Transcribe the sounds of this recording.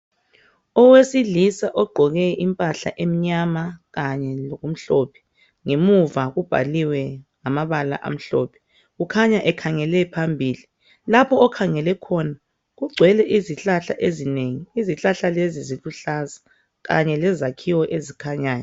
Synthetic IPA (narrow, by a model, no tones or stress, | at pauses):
ɔwesiɮisaʔɔɡ͡ǃʱɔɣɛʔimpʼaɬa̰ʔem̩ɲamaɣaɲɛlɔɣum̩ɬoːpʰɛ̥ | ŋemuvaɣub̥ʱa̰liwɛŋamaβala̰ʔa̰m̩ɬoːpʰɛ̥ | ɣukʰaɲaʔɛkʰaŋɛlɛpʰambʱiːli | lapʰɔːkʰaŋɛlɛkʰɔna | ɣuɡ͡ǀʱwɛlɛʔiziɬaɬa̰ʔezineŋiiziɬaɬaleziziluɬaza | ɣa̰ɲɛlɛzakʰiwɔʔezikʰaɲaːjɔ